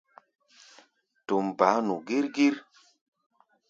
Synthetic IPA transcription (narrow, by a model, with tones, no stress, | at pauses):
to˨mba˨˦nu˨ɡi˦ɾɡi˦ɾ